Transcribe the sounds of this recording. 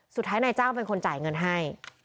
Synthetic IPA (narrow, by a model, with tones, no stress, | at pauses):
su˨˩t̪ʰːaː˦˥jna˧jt͡ɕaː˥˩wpe˧nkʰo˧nt͡ɕaː˨˩jŋɤ˧nɦa˥˩j